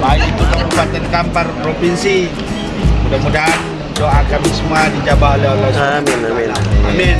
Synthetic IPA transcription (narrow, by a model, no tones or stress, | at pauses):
baikit̪ut̪aɾubat̪̚d̪aɾikamparpɾopinsi | mudamudan | doʔakamisəmuadid͡ʒabaleoles | aamin